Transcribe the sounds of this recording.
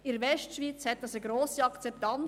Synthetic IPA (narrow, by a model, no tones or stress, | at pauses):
ɪɾvɛʃtʃʋiːt͡shɛt̚d̥ɑsəɡɾoːsiɑkt͡sɛpt̪ɑn